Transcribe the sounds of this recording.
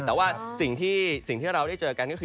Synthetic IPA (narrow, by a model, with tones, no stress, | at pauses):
t̪ɛː˨˩waː˥˩si˨˩ŋt̪ʰiː˥˩si˨˩ŋt̪ʰiː˥˩ɾa˧wdaː˥˩jt͡ɕɤː˧ka˧nkɔ˥˩ɯ˧